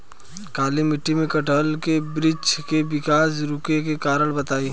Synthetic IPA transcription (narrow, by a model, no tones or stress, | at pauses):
kaːlimɪʈːimẽkɐʈəlkebɾɪd͡ʒkebɪkaːsɾʊkekekaːɾəɭbɐt̪aːi